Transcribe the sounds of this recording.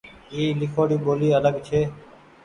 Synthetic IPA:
iːlɪkʰoːɽiːɓoːliːələɡt͡ʃʰeː

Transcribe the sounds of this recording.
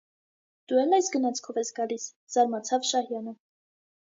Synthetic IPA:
d̪̥uɛlnːɑjsɡənɑt͡sʰkʰɔvɛsɡɑlis | z̥ɑɾmɑt͡sʰɑvʃɑhjɑnə

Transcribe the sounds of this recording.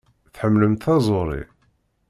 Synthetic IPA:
θħəmːləmt̪ɑzˤoɾˤḭ

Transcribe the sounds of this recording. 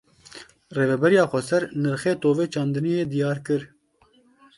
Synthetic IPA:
reːvɛbɛɾijɑːxʷɛsɛɾnɨɾxeːt̪oːveːt͡ʃɑːnd̪ɨnijeːd̪ijɑːɾkɨɾ

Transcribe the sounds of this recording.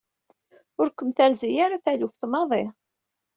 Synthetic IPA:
ʊɾkəmθæɾzijaɾaθælufθmɑðˤi

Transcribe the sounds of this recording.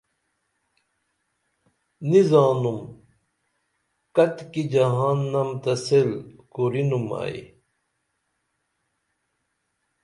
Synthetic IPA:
nizaːnum | kɐt̪kid͡ʑɐɦaːnːɐmt̪ɐselkuɾinuma̰ːḭ

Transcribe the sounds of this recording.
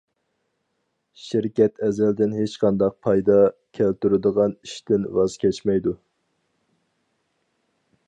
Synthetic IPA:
ʃɪɾkʲɛt̪ʰɛzɛld̪ɪnɦet͡ʃqʰɑnd̪ɑq̚pʰɑjd̪ɑkʲʰælt̪yɾɪd̪əʁɑniʃt̪ɪnwɑz̥kʲʰɛt͡ʃmɛjd̪u

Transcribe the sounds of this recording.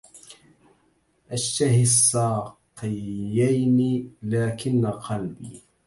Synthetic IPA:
ʔaʃt̪ahsˤːɑːqɪːajnɪlaːkɪnːaqɑlbḭː

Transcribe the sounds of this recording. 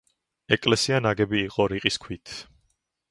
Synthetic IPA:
ɛkʼlɛsianaɡɛbiːqʼɔɾiqʼiskʰwit̪ʰ

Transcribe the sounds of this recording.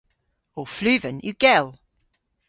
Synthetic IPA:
ɔflʉːvə̃njəɡɛlˠ

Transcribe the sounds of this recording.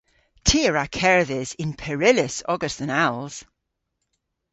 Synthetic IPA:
tʰiəɹakʰɛɹðɪzɪ̃npʰɛɹɪləsɔɡəsθə̃nalˠz̥

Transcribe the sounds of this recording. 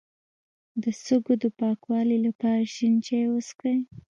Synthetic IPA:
d̪əsəɡod̪əpɑkwɑlilapɑɾaʃint͡ʃewəskej

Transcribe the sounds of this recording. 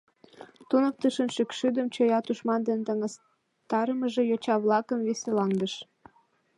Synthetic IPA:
t̪unək̚t̪əʃənʃykʃyd̪əmt͡ɕojɑt̪uʃmɑnd̪ent̪əŋəs | t̪ɑɾəməʒejot͡ɕɑβlɑkəmβiselɑŋd̪əʃ

